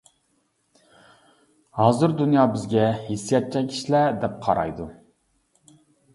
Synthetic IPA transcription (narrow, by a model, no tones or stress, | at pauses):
hɑːzɨɾd̪unjɑːbɪzɡʲɛhesːijɑt̪̚t͡ʃʰɛkʲʰi̥ʃlæd̪ɛp̚qʰɑɾɑ̰jd̪u